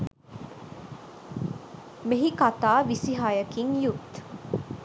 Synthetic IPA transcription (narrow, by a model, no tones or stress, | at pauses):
meɦikat̪aːʋisiɦajəkiŋjut̪